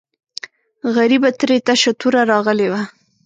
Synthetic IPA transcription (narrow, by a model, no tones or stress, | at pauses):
ɣaɾibat̪ɾet̪aʃat̪uɾaɾɑɣəlewa